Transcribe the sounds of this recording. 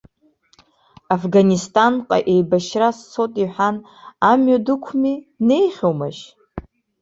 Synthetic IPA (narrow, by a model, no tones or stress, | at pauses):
afɡanistʼanqʼa̰ʔejbaʃrast͡sʰotʼiħʷᶣan | amɥadɨkʷʰmine̞jχʲowmaʃ